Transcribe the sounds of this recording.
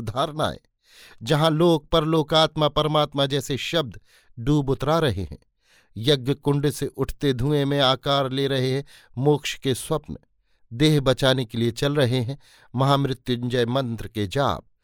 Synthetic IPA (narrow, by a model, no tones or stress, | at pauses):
d̪ʱaːɾna̰ːḛ | d͡ʒɐɦãloːɡ̚pɐɾloːkaːt̪mãpɐɾəmaːt̪mãd͡ʒɛːseʃɐb̚d̪ʱ | ɖuːbʊt̪ɾaɾɐɦḛɦɛ̰̃ː | jɐɡjəkʊ̃ɳɖseʔʊʈʰt̪ed̪ʱũːemẽaːkaːɾleɾɐɦeɦɛ̃ | moːkʃkeswɐpn | d̪eːɦbɐt͡ʃaːnekeliet͡ʃɐlɾɐɦeɦɛ̃ | mɐɦaːmɾɪt̪jʊnd͡ʒəjmɐ̃nt̪ɾked͡ʒa̰ːb̚